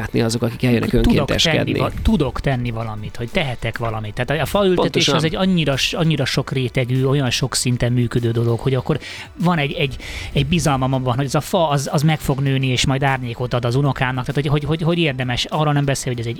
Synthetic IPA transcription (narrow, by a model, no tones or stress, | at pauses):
at̪nḭɒzo̞kɒki̥kɛljɛ̰nɛ̰køŋt̪ud̪ot̪ɛ̰tʃɛ̰d̪ːin̰t̪ud̪o̞kt̪ɛnːivɒlɒmit̪ho̞c̚t̪ɛɦɛt̪ɛkʋɒlɒmit̪ːɛaːt̪ɒfɒylt̪ɛt̪eːʃɛzɛɟːɒɲːiɾɒʃɒɲːiɾɒʃo̞kreːt̪ɛɡyːo̞jɒnʃo̞ksint̪ɛmmyːkød̪øːd̪o̞lokho̞ɟɒkːo̞r | vɒnɛɟɛɟːɛɟbizɒlmɒmɒmvɒnhoɛzɒfɒːzɒzmɛkfo̞ɡnøːnieːʃmɒjd̪aːrɲeːko̞t̪ɒd̪ɒzuno̞kaːmnɒkt̪aːt̪hoɟɦoɟɦoɟɦo̞ɟeːrd̪ɛmɛʃɒroːlnɛmbɛseːljhoɟɛzɛɟ